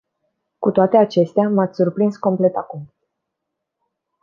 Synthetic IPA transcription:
kut̪oat̪e̞at͡ʃe̞st̪eamat̪sʲsurpɾinsko̞mple̞t̪akum

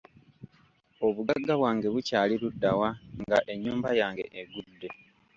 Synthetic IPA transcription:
o̞βuɡaɡːaβwaːŋɡe̞βucaːliludːawaŋɡaʔe̞ɲːuːmbajaːŋɡe̞ʔːɡudːe̞

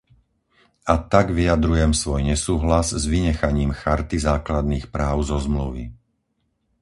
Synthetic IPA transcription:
at̪aɡʋijad̪ɾujɛmsʋɔjɲɛsuːɦlazzʋiɲɛxaɲiːmxaɾt̪izaːklad̪̚niːxpɾaːʊzɔzmluʋḭ

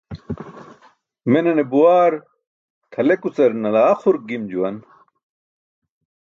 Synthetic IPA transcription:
menɐnebuwaːɾ | t̪ʰɐlekut͡sɐɾnɐlaːχuɾɡimd͡ʑuwɐn

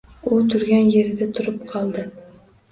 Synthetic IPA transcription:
ʊt̪ʰʊɾɡʲanjeɾɪd̪at̪ʰʊɾɪp̚qʰɒlˠd̪ɪ

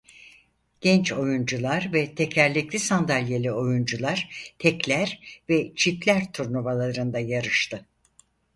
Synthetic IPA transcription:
ɟ̥ɛnt͡ʃo̞jund͡ʒulˠaɾvɛt̪ʰɛcʰæɾlʲiclʲisand̪alʲjelʲio̞jund͡ʒulˠaɾ̥t̪ʰɛclʲæɾvɛt͡ʃʰiplʲæɾt̪ʰuɾnuβalˠaɾɯnd̪ajaɾɯʃt̪ʰɯ

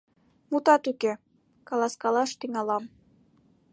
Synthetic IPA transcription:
mut̪ɑt̪uke | kɑlɑskɑlɑʃt̪iŋɑlɑm

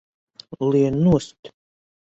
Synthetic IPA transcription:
lienust̪ʲ

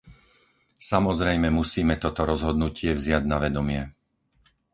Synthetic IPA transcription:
samɔzɾɛjmɛmusiːmɛt̪ɔt̪ɔɾɔzɦɔd̪nucɪɛvzɪaɟnaʋɛd̪ɔmɪɛ

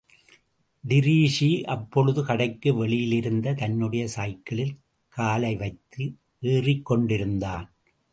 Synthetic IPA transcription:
d̪ɪɾiːʂiʔɐpːɔɻɯðɯkɐɽɐɪkːɯʋɛɭɪjɪlɪɾɯnd̪ɐt̪ɐnːɯɽɐjɐsaːjkːɐɭɪl | kaːlɐɪʋɐɪt̪ːɯ | ʔeːrɪkːɔɳɖɪɾɯnd̪aːn

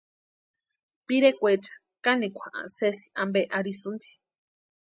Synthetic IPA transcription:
piɾekʷet͡ʃḁ | kanikʷʰaʔã̰sesi̥ʔambeʔaɾisɨnd̪i̥

